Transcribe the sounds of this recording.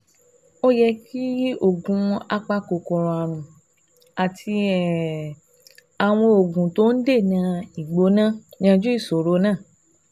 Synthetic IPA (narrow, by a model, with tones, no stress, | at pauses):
o˦jɛ˧ki˦o˦˨ɡũ˨˧a˦k͡pa˦ko˧˨kɔ˨ɾ̃ɔ̃˨˧a˨ɾ̃ũ˨ | a˨tʰi˧ɛ˨ | a˨w̃ɔ̃˧o˨ɡũ˨to˦n̩˦de˦˨nã˧˦i˨ɡ͡bo˨˦nã˦˨ɲ̃ã˧d͡ʒu˦i˦˨so˨ɾo˨˧˦nãː˦˨